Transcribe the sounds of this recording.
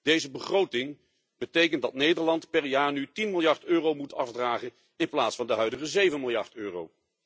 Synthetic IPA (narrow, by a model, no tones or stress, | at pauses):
d̥ejzəbəχrowtɪŋ | b̥ətejkəntdɑtnejdəɹlɑntpɛɹjaːɹnytinmɪlˠjɑɹtøːrowmutɑfdraːχən | ɪnplaːtsfɑndəɦœɥdəχəzejvənmɪlˠjɑɹtøːro̰w